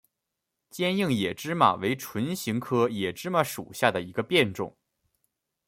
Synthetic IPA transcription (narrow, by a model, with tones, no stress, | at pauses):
t͡ɕjɛ˥nji˥˩ŋjɛ˨˩ʈ͡ʂɻ̩˥ma̰˩we˧˥ɪʈ͡ʂʰwə˧˥nɕi˧˥ŋkʰɤ˥jɛ˨˩ʈ͡ʂɻ̩˥ma˧˥ʂṵ˨˩ɕja˥˩d̪ə˩i˧˥ɡə˧pjɛ˥˧nʈ͡ʂʊ̰˥˩ŋ